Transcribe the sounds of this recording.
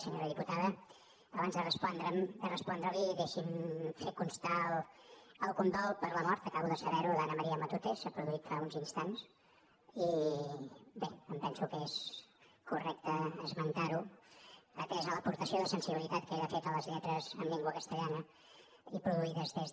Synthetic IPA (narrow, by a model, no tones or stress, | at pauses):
səɲoɾəðiput̪aðə | əβanzðərəspɔnd̪ɾəmd̪ərəspɔnd̪ɾəliəɣesimfet̪̚kunst̪alˠ | əlˠkund̪ɔlˠpəɾləmɔɾt̪əkaβuðəsəβɛɾuðanəməɾiəmət̪ut̪esapɾuðuit̪faunzinst̪ans | i | beəmpɛnsukes | kurɛk̚t̪əəzmənt̪aɾu | pəɾkɛezələpuɾt̪əsioðəsənsiβilˠit̪at̪̚kəeðəfɛt̪ələzʎɛt̪ɾəzəmlʎeŋɡwəkəst̪əʎanə | ipɾuðuiðəzðez